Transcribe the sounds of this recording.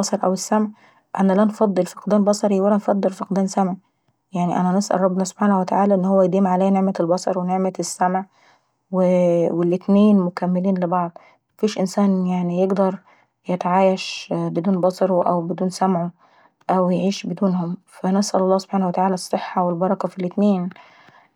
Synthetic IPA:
bɑsˤɑɾˤʔæwesːæmʕ | ʔæ̰nælænfɑd̪ˤːelfɑ̥qd̪æːnbɑsˤɑɾiwælænfɑd̪ˤːelfɑq̚d̪æːnsæmʕ | jaʕniʔæ̰nænesʔæ̰lˤɑbːnɑso̥bħaːnæwet̪aʕaːlæʔenːhowːæjd̪iːmʕalæːjæneʕmelbɑsˤɑɾˤweneʕmesːæmʕ | wewelʔɪt̪neːnmʊkæmːeliːnlebɑʕd̪ˤ | mæfiːʃʔɪnsæːnjaʕnijeɡd̪ɑɾˤ | jet̪ʕaːjæʃbed̪uːnbɑsˤɑɾˤʔæwbɪd̪uːnsæmʕo | ʔæwjeʕiːʃbed̪uːnhʊmfænesʔæ̰lɑlːɑːhsobħaːnæhwæt̪aʕaːlæsˤːeħːɑwelbɑɾˤɑkɑfilʔɪt̪neːn

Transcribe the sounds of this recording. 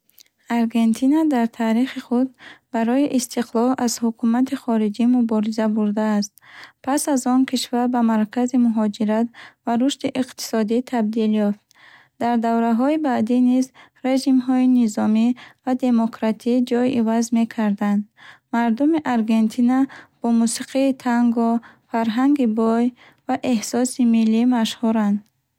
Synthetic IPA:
aɾɡe̞nt̪ʰinad̪aɾt̪ʰaːɾiχiχud̪̚baɾɔiʔist̪ʰiqlˠɔlazhukʰumat̪ʰiχɔɾid͡ʒimubɔɾizabuɾd̪aːst̪̚pʰasazɔnkʰiʃvaɾbamaɾkʰazimuɦɔd͡ʒiɾat̪vaɾuʃt̪iʔiqt̪ʰi̥sɔd̪it̪ʰab̚d̪iljɔft̪ | d̪aɾd̪avɾaɦɔibad̪inizɾe̞d͡ʒimɦɔinizɔmivad̪e̞mokʰɾat̪ʰid͡ʒɔjʔivazme̞kʰaɾd̪and̪maɾd̪umiʔaɾɡe̞nt̪ʰinab̥ɔmusiqʰiːt̪ʰaŋɡɔfaɾɦaŋɡibɔj | vaʔe̞hsɔsimilːimaʃhuɾand̪

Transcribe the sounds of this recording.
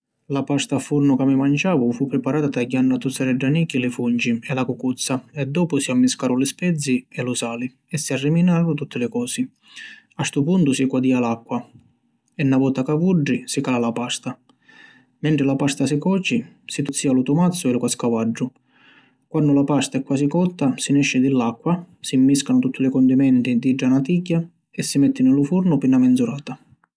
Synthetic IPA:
lapast̪afurnʊkamːimant͡ʃaːvʊfupːɾɪpaɾaːt̪at̪aɟːanːʊat̪ːut̪sːaɾɛɖːanikːilɪfunt͡ʃiɛlakukut̪sːaɛd̪ːɔːpʊsiamːiskaːɾʊlɪspɛd̪zːiɛlusaːli | ɛsːiarːiminaːvʊt̪ut̪ʰːɪlɪkɔːsɪ | ast̪upunt̪usikwad̪iːalakːwa | ɛnːavɔːt̪akavuɖːisikalalapast̪a | mɛnt̪ɾɪlapast̪asikɔːt͡ʃi | sit̪ut̪sːiːalut̪umat̪sːʊɛlukaskavad͡ʒːʊ | kwanːʊlapast̪aɛkːwaːsikɔt̪ːasinɛʃːɪd̪ɪlːakːwa | simːiskanʊt̪ut̪ʰːʊlɪkɔnd̪imɛnt̪id̪id͡ʒːanat̪iɟːa | ɛsːimɛt̪ːɪnɪlufurnʊpinamɛnd̪zuɾaːt̪a

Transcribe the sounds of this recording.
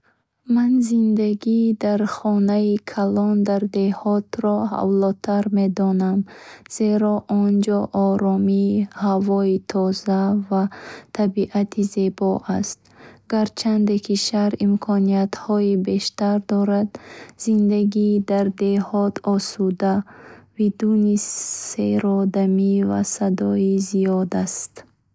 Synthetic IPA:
manzind̪aɡid̪aɾχɔnaikʰalɔnd̪aɾd̪e̞hɔt̪ɾɔha̰vlɔt̪ʰaɾme̞d̪ɔnamz̥e̞ɾɔʔɔnd͡ʒɔʔɔɾɔmihavɔit̪ʰɔzavat̪ʰabiʔat̪ʰize̞bɔʔast̪̚ | ɡaɾt͡ʃʰand̪ekʰiʃaɾimkʰɔniat̪hɔibe̞ʃt̪aɾd̪ɔɾad̪z̥ind̪aɡid̪aɾd̪e̞hɔt̪ɔsud̪abid̪unieɾɔd̪amiva̰sad̪ɔizijɔd̪ast̪

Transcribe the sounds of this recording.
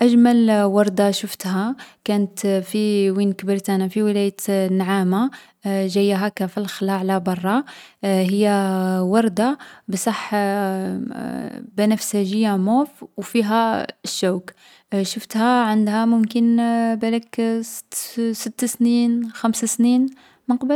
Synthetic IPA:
ʔæʒmælwɑɾˤd̪ɑʃəft̪hækænət̪fiwinkəbəɾt̪ænafiwəlæjət̪nːʕama | ʒæjːɦækæfəlxlaʕlæbɑrˤːɑɦəjːæwɑɾˤd̪ɑbsˤɑħ | bænəfsæʒəjːamufwfiɦæəʃːæwk | ʃəft̪hæʕənd̪hæmʊmkənbælək | sət̪ːsninxæmsasnin | məqbəl

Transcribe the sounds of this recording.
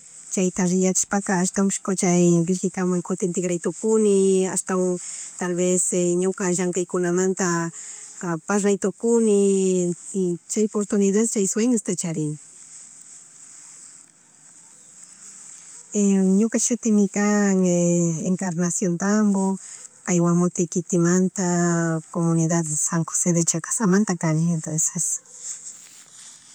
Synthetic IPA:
t͡ʃajt̪aɾɪjat͡ʃɪ̥ʃpakaːʃt̪amʃkot͡ʃajɾɪʃkɪk̪amaŋkot̪ent̪ɪɡɾajt̪okʊnɪa̰st̪aŋt̪alβesɲʊkaʒaŋkajkʊnamant̪akapasɾajt̪okʊnɪ | t͡ʃajpoɾt̪ʊnɪðad̪t͡ʃajsweŋast̪at͡ʃaɾɪŋ | eɲokaʃʊt̪ɪmɪkaŋeeŋkaɾnasjont̪ambokajwamot̪ɪkɪt̪ɪmant̪akomʊniðad̪saŋkoseðet͡ʃakḁsamant̪akanient̪onses

